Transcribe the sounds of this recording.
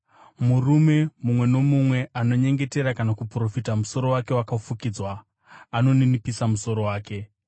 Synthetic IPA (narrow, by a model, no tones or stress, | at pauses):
murume̞mumwe̞no̞mumwe̞ʔano̞ɲe̞ŋɡe̞teɾakanakupro̞fitamuso̞ɾo̞wake̞wakafukid͡zwa | ano̞ninipisamuso̞ɾo̞waːke̞